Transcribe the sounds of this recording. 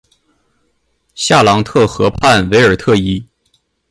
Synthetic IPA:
ɕja˥˩lɑ˧˥ŋt̪ʰɤ˥˩xɤ˧˥pʰa˥˩nwe˧˥ɪə˞˨˩t̪ʰɤ˥˧i˥

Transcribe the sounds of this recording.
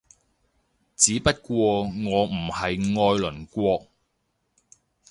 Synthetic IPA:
t͡siː˨˥pɐ˥t̚kʷɔː˧ŋɔː˨˧m̩˨˩hɐ˨jŋɔː˧jlɵ˨˩nkʷɔː˧k̚

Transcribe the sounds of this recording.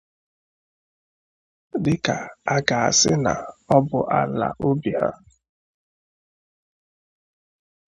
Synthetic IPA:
dɪ˦ka˨a˦ɡa˨a˨sɪ˦na̰˨ɔ˦bʊ˨ʔa˦la̰˨ʔo˦bi˨ha̰˦

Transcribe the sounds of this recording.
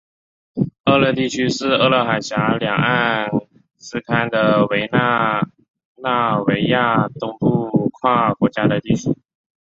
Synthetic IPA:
ə˥˧lɤ˥˧t̪i˥˩t͡ɕʰy˥ʂɻ̩˥˧ɤ˥˧lɤ˥˩xa˨˩ɪɕja˧˥ljɑ˨˩ŋa˥˧n | sɹ̩˥kʰa˥nd̪ə˨we˧˥ɪna˥˧ | na˥˩we˧˥ɪja˥˩t̪ʊ˥ŋpu˥˧kʰwa˥˩kwɔ˧˥t͡ɕja˥d̪ə˨t̪i˥˩t͡ɕʰy˥

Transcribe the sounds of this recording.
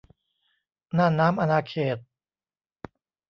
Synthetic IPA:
naː˥˩naː˦˥mʔa˧naː˧kʰeː˨˩t̪̚

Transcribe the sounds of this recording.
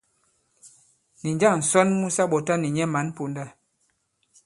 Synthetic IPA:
ni˨ɲd͡ʒa˦˨ŋn̩˨sɔ˦nmu˦sa˦ɓɔ˨ta˦ni˨ɲɛ˦ma˨˦n˦po˨nda˦˨

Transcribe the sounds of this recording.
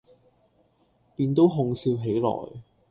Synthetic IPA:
piː˧nt̪o˥wɦʊ˧ŋsiː˧wɦe˨˥jlɔ̰ː˨˩j

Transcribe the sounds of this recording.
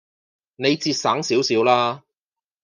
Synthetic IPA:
ne˨˧jt͡siː˧t̚saː˨˥ŋsiː˨˥wsiː˨˥wlaː˥

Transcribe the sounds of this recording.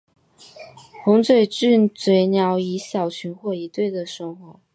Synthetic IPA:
xʊ˧˥ŋt͡swe˨˩ɪʈ͡ʂɻ̩˥˩t͡swe˧˥ɪnjɑ˧˥ʊi˧˥ɕjɑ˨˩ʊt͡ɕʰy˧˥nxwɔ˥˩i˧˥t̪we˥˩ɪd̪ə˩ʂɤ˥˩ŋxwɔ˧˥˦

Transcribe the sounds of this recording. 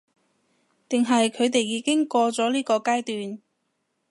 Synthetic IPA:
t̪ɪ˨ŋɦɐ˨jkʰɵ˨˧ɥt̪e˨jːiː˨˥kɪ˥ŋkɔː˧t͡sɔː˨˥liː˥kɔː˧kaː˥jt̪yː˨n

